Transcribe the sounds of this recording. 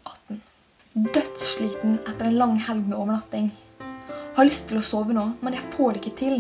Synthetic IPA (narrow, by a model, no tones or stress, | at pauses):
ɑt̪n̩ | d̪œt̪sʃɭiːt̪n̩ɛt̪ːəɾɛːnlɑŋhɛlɡmeoːʋəɳɑt̪ɪŋ | hɑɭʏst̪ʰːɪlɔsoːʋənoːmɛnjæɪfoːɖɛɪkːət̪ʰɪl